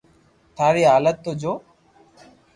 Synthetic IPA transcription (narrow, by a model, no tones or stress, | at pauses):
t̪ʰaːɾeːaːlət̪̚t̪ːod͡ʒoː